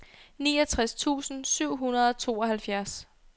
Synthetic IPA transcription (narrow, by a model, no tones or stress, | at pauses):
niːɒt͡sʰʁast͡sʰṵːsn̩syʊ̰ɦunɐð̞ˠɒ̽t͡sʰo̝ːɒ̽ɦælfjæɐs